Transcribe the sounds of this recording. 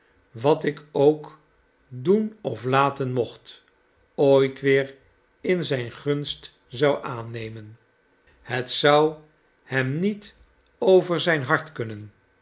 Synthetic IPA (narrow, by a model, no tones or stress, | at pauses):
ʋɑtɪkowk | dunɔflaːtənmɔχt | ojtʋɪːɹ | ɪnzɛjnχɵnst | zɑwʔaːnejmən | hətsʌw | hɛmnit | owvəɹzɛjnɦɑɹtkɵnən